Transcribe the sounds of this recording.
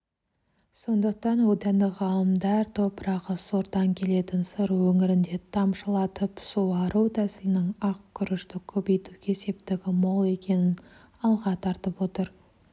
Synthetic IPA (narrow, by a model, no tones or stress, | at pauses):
so̞nd̪əq̚t̪ɑnwod̪ænd̪ɪʁɑlˠəmd̪ɑɾt̪ʰopəɾɑʁəsoɾt̪ɑŋkʲʰe̞le̞t̪ɪnsəɾwɵŋɪɾɪnd̪e̞t̪ʰɑmʃəlˠɑt̪əpsuwɑɾʔuwt̪ʰæsɪlɪnɪŋɑqkʲʰːʏɾɪʃt̪ɪkʲʰɵpejt̪uɡʲese̞p̚t̪ɪɡʲɪmo̞lˠe̞kʲe̞nɪn | ɑlˠʁɑt̪ʰɑɾt̪əpwo̞t̪əɾ